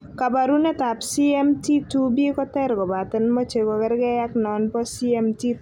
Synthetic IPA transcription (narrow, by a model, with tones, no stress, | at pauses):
ka˨ba˨ɾu˦nɛ˦ta˨psi˦ɛ˦mti˦tu˦bje˦kɔ˦t̪ɛ˦ɾɡɔ˨ba˨t̪ɪ˨nmɔ˦t͡ʃe˨ko˨kɛ˦ɾɡɛ˦ja˦knɔ˨npɔ˦si˦ɛ˦mti˦